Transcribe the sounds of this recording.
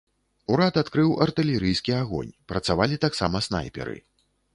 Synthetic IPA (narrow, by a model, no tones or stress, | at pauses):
uɾat̪at̪kɾɨwʔɐrt̪ɨlʲɛɾɨjskʲiaɣɔ̰nʲpɾɐt̪savalʲit̪aksa̰mɐsna̰jpʲɛ̰ɾɨ̰